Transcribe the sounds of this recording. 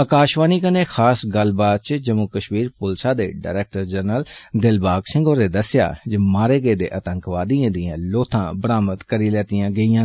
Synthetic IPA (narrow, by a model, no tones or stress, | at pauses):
əkaːʃʋaːniːkəneːxʰaːsɡəlbaːt̪̚t͡ʃd͡ʒəmukəʃmiːɾpʊlsaːd̪ḛːɖa̰ːɾɛːk̚ʈəɾd͡ʒəɾnəld̪ɪlbaːksɪ̃ŋɡoːɾeːd̪əsɪja̰ːd͡ʒəmaːɾeːɡeːd̪ḛːʔət̪əŋkʋaːd̪iãːd̪ɪjãːloːt̪ʰãːbəɾaːmət̪kəɾiːlɛːt̪ɪjãːɡəiːãː